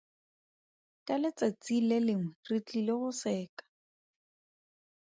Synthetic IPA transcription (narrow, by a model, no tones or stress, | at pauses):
kʼalɪt͡sat͡silelɪŋ̩rit͡ɬʼilɪɣʊsɛːkḁ